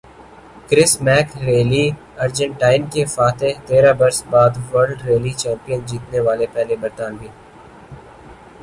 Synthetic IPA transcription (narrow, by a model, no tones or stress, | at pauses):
kɾɪsmɛːkɾeːli | ɐɾd͡ʒə̃ɳʈaːɪnkefaːt̪ẽt̪eːɾabɐɾsbaːd̪ʋəɾɖɾeːlit͡ʃɛ̃ːmpijənd͡ʒiːt̪neʋaːlepɛːɦlebəɾt̪aːnbʱiː